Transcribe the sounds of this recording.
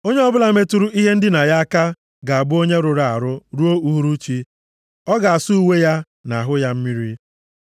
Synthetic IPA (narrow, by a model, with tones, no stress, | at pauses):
o˦ɲe˦ɔ˦bʊ˦la˨me˦tu˨˦ɾu˦ʔi˦ɦe˦n̩˦dɪ˦na˨ja˦a˦ka˦ | ɡa˨a˨bʊ˦o˦ɲe˦ɾʊ˨ɾa˨a˨ɾʊ˦ɾu˦o˦u˦ɦu˦ɾu˦t͡ʃi˦ | ɔ˦ɡa˨a˨su˦u˨we˦ja˦ | na˨a˨ɦʊ˦ja˦m̩˦mi˦ɾi˦